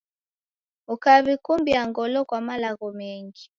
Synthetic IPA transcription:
ukaβikumbiaŋɡɔlɔkwamalaɣɔmɛŋɡi

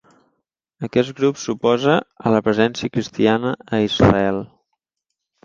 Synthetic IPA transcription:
əkɛt̪ɡɾupsupɔzəələpɾəzɛnsiəkɾist̪ianəːizrə̰ɛlˠ

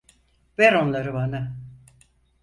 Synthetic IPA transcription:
vɛɾo̞nlˠaɾɯbana

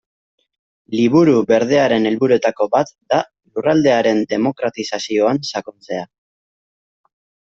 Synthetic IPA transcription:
liβuɾuβe̞ɾðe̞aɾe̞ne̞lβuɾuet̪ako̞bat̪d̪a | lurald̪e̞aɾe̞nd̪e̞mo̞kɾat̪isasio̞ansakont͡se̞a

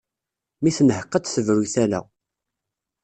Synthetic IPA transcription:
miθənəhəqːət͡sθəvɾuθælæ̰

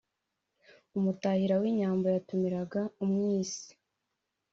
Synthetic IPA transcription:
umutahiɾawiɲaːmbo̞jatumiɾaɡaumŋiːsi̥

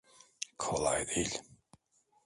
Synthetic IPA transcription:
kʰola̰jd̪ilʲ

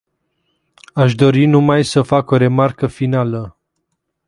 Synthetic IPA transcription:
aʃ̬d̪o̞ɾinumajsəfako̞ɾe̞markəfinalə

